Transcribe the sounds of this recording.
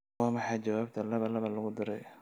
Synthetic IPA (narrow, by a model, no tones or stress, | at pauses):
ɑːmɑħɑːt͡ʃɐwaːb̚t̪ʰɐlɐβɐlɐβɐlʊɣʊd̪ɪɾɛ̰j